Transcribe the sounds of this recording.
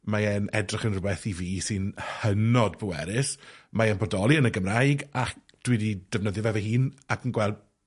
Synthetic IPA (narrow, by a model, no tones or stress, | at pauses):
maɛnɛdrɪχənrwɛθiviːsɨnhənɔdbuwɛ̰ɾɪsmaɛnbɔdɔlˠiənəɡəmrajɡak | d̥wɪdid̥əvnəðjɔvɛvɛhiːnakʰənɡwɛlˠd